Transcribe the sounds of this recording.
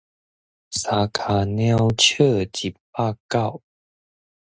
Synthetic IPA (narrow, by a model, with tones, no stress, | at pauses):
sa˨˦kʰa˨˩nja˦ʊt͡ɕʰə˥˧t͡ɕi˨˩pa˥˧ka˥˨w